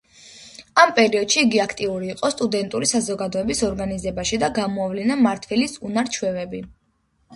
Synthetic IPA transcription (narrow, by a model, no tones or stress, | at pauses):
ampʼɛɾiɔd̪̥ʃiːɡiakʰt̪ʼiuɾiːqʼɔst̪ʼud̪ɛnt̪ʼuɾisazɔɡad̪ɔɛbisɔɾɡanizɛbaʃid̪aɡamɔavlinamaɾt̪ʰvɛlisunaɾt͡ʃʰwɛvɛbi